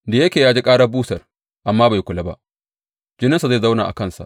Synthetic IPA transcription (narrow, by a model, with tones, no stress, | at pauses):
da˨je˦kʲeː˨jaː˦d͡ʒi˦kʼaː˦ɽa˦buː˦sɐ˨r | ʔa˨mːaː˦ba˨ji˦kʷʊ˨la˦ba̰˦ʔ | d͡ʒɪ˦nɪ˦nsa˨za˦˨za˦wna̰ː˨ʔa̰˨kɐ˦˨nsa̰˨ʔ